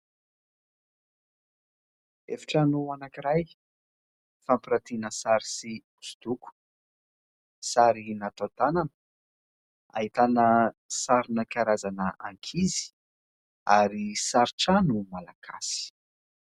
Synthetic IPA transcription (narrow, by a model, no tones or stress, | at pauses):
efi̥ʈ͡ʂənuanakiɾaj | fampiɾat̪inəsaɾisiu̥su̥d̪uku̥ | saɾinat̪ot̪ananə̥ | a̰ɦit̪anəsaɾinəkaɾazanəa̰ŋkʰizi̥ | a̰ɾisaɾiʈ͡ʂanumalakʰa̰si̥